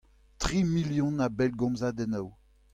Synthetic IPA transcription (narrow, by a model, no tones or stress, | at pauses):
tʁimiljɔ̃nabɛlɡɔ̃mzaːd̪ɛnaw